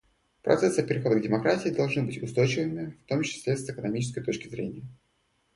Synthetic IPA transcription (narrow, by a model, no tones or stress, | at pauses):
pɾɐ̰t̪sɛsɨpʲɪɾʲɪxo̞d̪əɡdʲɪmɐkɾatʲɪɪd̪ɐlˠʐnɨbɨtʲʊst̪o̞jt͡ɕɪvɨmʲɪft̪o̞mt͡ɕɪ̥sʲlʲesɨkənɐmʲit͡ɕɪ̥skəjt̪o̞t͡ɕkʲɪzɾʲenʲɪjə